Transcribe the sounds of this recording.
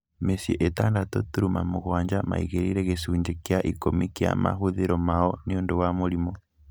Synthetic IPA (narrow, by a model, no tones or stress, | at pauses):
mesiɛʔetaːndatɔtuɾumamoɣwaːɲd͡ʒama̰ḭɣeɾiɾɛɣesuːɲd͡ʒekjaʔikomikia̰ma̰ɦoðeɾɔmaɔniondowamoɾimɔ